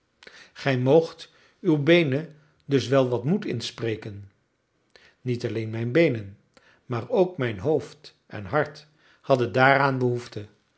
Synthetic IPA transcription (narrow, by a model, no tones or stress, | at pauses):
χɛjmowχt | ywbejnə | dɵsʋɛlˠʋɑtmutɪnsprejkən | nitɑlejnmɛjnbejnən | maːɹowkmɛjnɦowft | ɛ̰nɦɑɹt | hɑdəndaːɾaːnbəɦuftə